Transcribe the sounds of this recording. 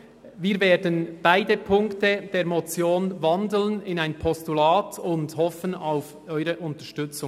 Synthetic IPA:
viːɾveːɾdənb̥aɪdəpʰʊŋktəd̥eːɾmɔt͡sjoːnvɑndl̩nɪnaɪnpʰɔstulaːtʰʊnthɔfənaʊf | ʔɔʏʁəʔʊntəʃtʏt͡sʊ

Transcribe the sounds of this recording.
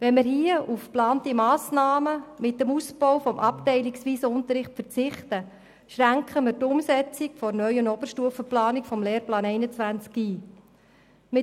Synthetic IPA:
ʋɛnmɪɾɦiəʔufplɑːntimɑːsnɑːməmɪtːəmusbɔwfɔmʔɑptɛɪliksʋiːsəʊnt̪əɾɪχtfəɾt͡sɪχtə | ʃɾæŋkχəmɪɾtʊmsɛt͡sikfɔɾnœʏjənɔb̥əɾʃtuːəfəplɑːnikfɔmleːɾplɑːnɛɪnət͡sʋænt͡skiː | mɪ

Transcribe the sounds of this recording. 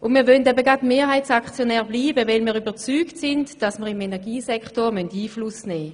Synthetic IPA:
ʔʊnmiːɐvœndɛbəɡɑtmeːɐɦaɪtsakt͡sjonɛːɐʁbliːbəvɛlmiːʁybət͡syːktsɪntd̥ɑsməʁɪmenɛɐʁɡiːsɛkχtoʁmœntiːflʊsnɛː

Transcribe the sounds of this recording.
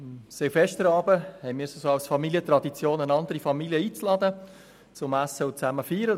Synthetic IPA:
ɪmsɛfɛʃtəɾɑːbəhɛɪmiːɾsosɑʊsfɑmiljətɾɑd̪it͡sjoːnənɑndəɾifɑmiljəiːt͡slɑdə | t͡sʊmæsəʊt͡sæməfyːɾə

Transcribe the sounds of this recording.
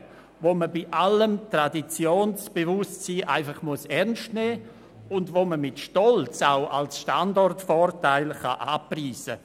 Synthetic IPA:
voməbiʔaləmtradit͡sjoːnsb̥evʊstsiːʔa̰ɪfɑχmuəsɛʁnʃtnɛː | ʊndvoməmɪtʃtɔlt͡saʊʔa̰lsʃtandɔrtfɔrtaɪlχa̰ʔaːpriːsə

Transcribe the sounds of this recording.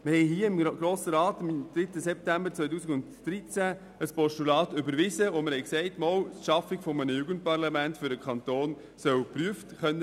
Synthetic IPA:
məhɛɪɦiːəɪmɡ̥ɾoːsəɾɑːtɪmd̥̪ɾɪtːəsɛp̚tæmbəɾt͡sʋœʏt̬uːsiɡʊntd̥ɾit͡sæ | əspɔʃtulɑːtʏbəɾʋɪzəoməɾhɛɪksɛɪtmɔwtʃɑfiɡ̥fɔmənəjuːɡənt̚pɑʁlɑmæntfʏɾdəkʰχɑntoːn | sœwpryəftχœnːə

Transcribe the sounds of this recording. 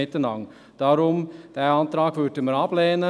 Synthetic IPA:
ɪt̪ːənɑŋ | d̪̥æɾʊmd̪̥ɛæɑnt̪ɾɑːɡfʉʈ̪əməɾɑːbleːnə

